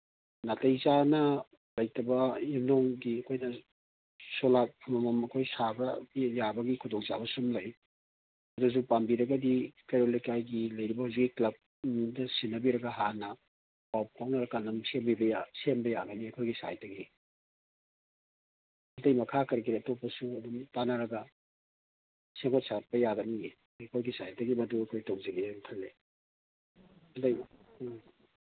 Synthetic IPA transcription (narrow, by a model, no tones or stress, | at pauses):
natɐjzanɐ | lɐjtɐbɐimnoŋɡiɐkʰojnɐ | solapʰumɐmɐmɐkʰojsabɐjabɐɡikʰudoŋza̰bɐsumlɐj | ɐdus̬upambiɾɐɡɐdikeɾolijkajɡilɐjɾibɐhuzikːiklɐb̚ | dɐsinːɐbiɾɐɡɐɦanɐ | pawppʰawnɐɾɐkanɐmsembibɐjasembɐjaɡɐniɐkʰojɡisa̰jdɐɡi | ɐndɐjmɐkʰakɐɾkiɾiɐtopːɐsuɐdumtanɐɾɐɡɐ | seŋkʰot̚sat̚pɐjaɡɐnie | kʰojɡisajdɐɡimɐduɐkʰojtowŋziɡiŋkʰɐlːe | ɐndɐj